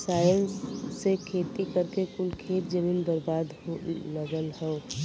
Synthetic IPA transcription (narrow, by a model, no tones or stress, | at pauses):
saːjənsːekʰeːt̪ikəɾkekʊlkʰeːt̪̚d͡ʒəmĩːnbəɾbaːd̪ləɡəlɦɛ̃